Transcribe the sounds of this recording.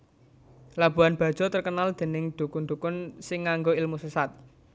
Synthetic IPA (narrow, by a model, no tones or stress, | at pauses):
lab̥ṳanb̥ä̤d̥ʒ̥ɔ̤t̪ərkənald̪̥e̤nɪŋd̪̥ṳkund̪ukʊnsɪŋːaŋɡoɪlmusəsat̪̚